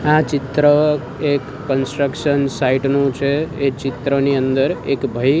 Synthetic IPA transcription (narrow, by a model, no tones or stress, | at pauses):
ãt͡ʃit̪ɾə | ekːənsʈɾəkʃənsaiʈnũt͡ʃʰeet͡ʃit̪ɾəniənd̪əɾekbʱəi